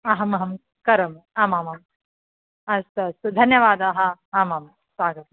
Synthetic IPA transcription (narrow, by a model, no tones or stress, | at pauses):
ɐɦɐmɐɦɐm | kɐɾɐmaːmamam | ɐst̪ɐɐst̪ud̪ʱɐnjɐʋaːd̪aːɦɐaːmam | sʋaːɡɐt̪̚